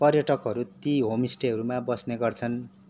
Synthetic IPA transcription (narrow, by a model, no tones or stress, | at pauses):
pʌrjʌʈʌkɦʌɾut̪iɦomisʈeɦʌɾumabʌsneɡʌrt͡sʰʌn